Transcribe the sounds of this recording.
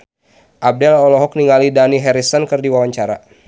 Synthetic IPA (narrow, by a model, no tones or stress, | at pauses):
ʔab̚dɛlɔlɔɦɔk̚niŋalidaniɦɛɾisɔnkɨrdiwawaɲt͡ʃaɾa̰